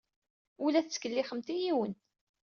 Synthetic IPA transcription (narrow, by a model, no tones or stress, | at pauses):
ulæθt͡sːkəlːiχəmt̪ijiwən